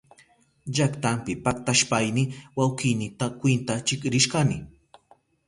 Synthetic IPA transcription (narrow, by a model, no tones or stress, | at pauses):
ʎakt̪ampɪpak̚t̪aʃpajnɪwawkɪjnɪt̪akwɪnt̪at͡ʃɪkɾɪʃkanɪ